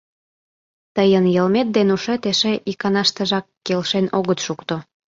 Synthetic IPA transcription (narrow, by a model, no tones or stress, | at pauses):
t̪əjənjəlmet̪̚d̪enuʃet̪eʃeʔikɑnɑʃt̪əʒɑkːelʃenoɣət̪ʃukt̪o